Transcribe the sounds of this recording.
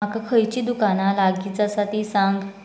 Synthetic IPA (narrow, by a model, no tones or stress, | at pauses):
akakʰəjt͡ɕiːd̪ukanalaɡit͡sasaʈ̪iːsãŋɡ